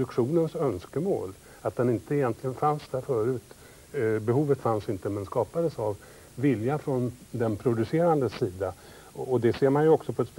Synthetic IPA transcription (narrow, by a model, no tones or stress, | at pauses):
ɵkʂuːnənsœnskəmo̰ːl | at̪̚d̪ɛnɪnt̪əɪjɛnt̪ʰlɪɡənfansd̪æɾfœːɾʉ̟ːt̪ | bɛɦuːvət̪fansɪnt̪əmɛnskɑːpad̪əsavː | ɪljafɾɔnd̪ɛnpʰɾʊd̪ɵseːɾand̪əsiːd̪a | ɔd̪ɛseːɾmanjɵɔksɔpʰɔɛt̪s